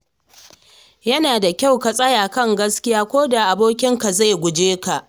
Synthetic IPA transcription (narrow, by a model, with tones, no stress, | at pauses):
jɐ˦naː˨da˨kʲa˦˨wka˨sʼɐ˦jaː˨kɐ˦˨ŋɡɐ˦skʲɪ˦jaː˦kʷoː˦da˨ʔa˨boː˦kʲɪ˦ŋka˨za˦˨jɡʷʊ˨d͡ʒeː˦ka˨ʔ